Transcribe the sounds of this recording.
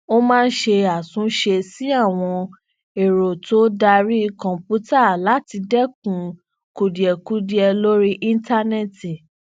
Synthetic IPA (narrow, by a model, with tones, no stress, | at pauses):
o˦mãː˦˧n̩˦ʃe˧a˨sũ˨˦ʃe˧si˦a˦˨w̃ɔ̃˧ | e˨ɾo˨to˦da˧ɾi˦˧kɔ̃˨pu˦ta˦˨la˨˦ti˧dɛ˦˨k̚ũ˨ | ku˨di˨ɛ˨ku˦di˦ɛ˧lo˦ɾi˦ʔĩ˦nta˦nɛ˦˨ti˨